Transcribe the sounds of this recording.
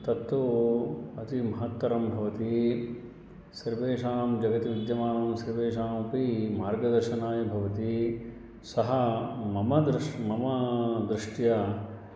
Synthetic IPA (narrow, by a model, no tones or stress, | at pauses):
t̪ɐt̪ːu | ɐt̪imɐɦɐt̪wɐɾɐmbʱɐʋɐt̪i | siɾʋeːʂaːmd͡ʒɐɡɐt̪iʋid̪jɐmaːnɐmsɐɾʋeːʂaːmɐpimaːɾɡɐd̪ɐɾʃɐnaːjɐbʱɐʋɐt̪i | sɐɦɐmɐmɐd̪ɾmɐmɐd̪ɾɪʂʈjɐ